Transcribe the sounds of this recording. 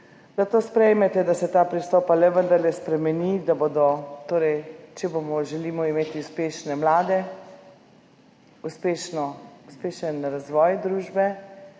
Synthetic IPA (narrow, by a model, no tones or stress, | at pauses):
z̥at̪oːspɾɛjmɛt̪ɛd̪asɛt̪aːpɾist̪ɔːpalɛʋənd̪əɾlɛspɾɛmɛnid̪aboːd̪ɔt̪oːɾɛjt͡ʃɛbomɔʒɛliːmɔimeːt̪iuspeːʃnɛmlaːd̪ɛ | uspeːʃnɔuspeːʃənɾazʋɔːjd̪ɾuːʒbɛ